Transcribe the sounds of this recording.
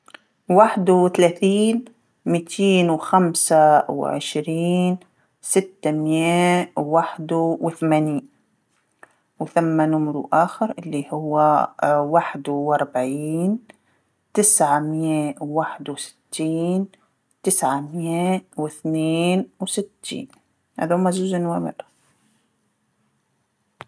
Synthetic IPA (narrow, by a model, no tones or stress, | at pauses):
waħd̪uwɪθalaːθiːn | miːt̪ʰiːnwxamsaw̰ʕɪ̰ʃɾiːn | sɪt̪ːamjewwːaħd̪wɪθamaːniːn | wθamːanʊmɾuʔaːxɪɾʔɪlːihʊwːawaħd̪wʔɑɾˤbʕiːn | t̪ɪsʕamjawwaħɪd̪wsɪ̥t̪ʰːiːn | t̪ɪsʕamjewɪθneːnwsɪt̪ːḭːn | ʔa̰ðumazuːzɪnwaːmɪ̰r